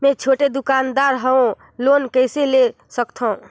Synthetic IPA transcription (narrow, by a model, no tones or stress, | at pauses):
mẽt͡ʃʰoʈed̪ukand̪aɾɦəõ | lonkəɪsele | səkt̪ʰɔ̃